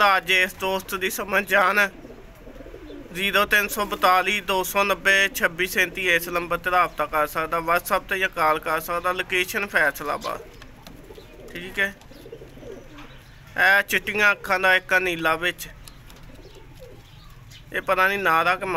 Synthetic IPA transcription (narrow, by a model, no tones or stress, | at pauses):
aːəd͡ʒɪsd̪oːst̪d̪iːsəməd͡ʒaːnː | ziːɾoːt̪ɪnsɔːbət̪aːliːd̪oːsɔːnəbːeːt͡ʃʰəbiːsɛ̃ːnt̪iːeːsləmbəɾt̪eːd̪aːb̚t̪aːkəɾsəkd̪aːʋəɾsəb̚t̪eːjãːkaːlkəɾsəkd̪aːloːkeːʃənpʰɛːsla̰ːba̰ːd̪ | ʈʰiːkɛː | ɛːt͡ʃɪʈːɪŋãːkʰːãːd̪aːɪkːaːniːlaːʋɪt͡ʃ | eːpət̪ãːniːnaːɾaːkm